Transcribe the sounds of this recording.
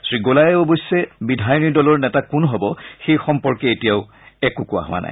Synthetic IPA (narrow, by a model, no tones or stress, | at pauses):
sɹiɡolajɛobojsːɛbidʱajɔnidɔlɔɹnɛtakunɦɔbɔxejxɔmpɔɹkɛetijaʊ | ɛkʊkʊwa̰ɦʊ̰a̰na̰j